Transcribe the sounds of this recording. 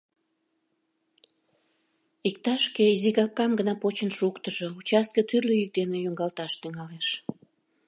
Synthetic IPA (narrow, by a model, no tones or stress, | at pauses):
ik̚t̪ɑʃkeiziɣɑp̚kɑmɡənɑpot͡ɕənʃukt̪əʒout͡ɕɑst̪̚kət̪yrløik̚d̪enejuŋɡɑlt̪ɑʃt̪yŋɑleʃ